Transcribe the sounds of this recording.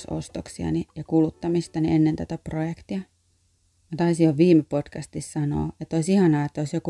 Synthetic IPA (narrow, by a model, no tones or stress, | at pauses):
so̰st̪oksiɑ̰nijɑkulut̪ːɑmist̪ɑnienːent̪æt̪æprojekt̪iɑ | jɑt̪ɑisijjoʋʋiːmepod̥kɑst̪issɑno̰ːet̪ːoisihɑnɑːet̪ːoisjoku